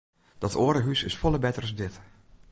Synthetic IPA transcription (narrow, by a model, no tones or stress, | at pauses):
d̥ɔtʰoːɾəɦysɪsfɔlˠəbɛtərəzdɪt